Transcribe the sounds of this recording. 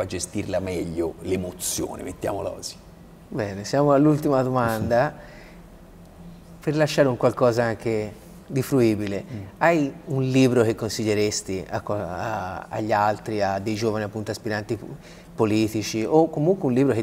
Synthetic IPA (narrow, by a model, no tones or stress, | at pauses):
ad͡ʒest̪irlamɛʎːolemot̪sjo̰ːnḛmet̪ːja̰ːmolɔ̰ːzi | bɛːnesjaːmoalːult̪imad̪omand̪a | perlaʃːaːɾeuŋkwalkɔːzaaŋk̟e | d̪ifɾuiːbileajunliːbɾok̟ekːonsiʎːeɾest̪ia̰kː | a̰ʎːalt̪ɾiad̪ːejd͡ʒoːvaniapːunt̪oaspiɾant̪i | poliːt̪it͡ʃiokːomuŋkweunliːbɾoke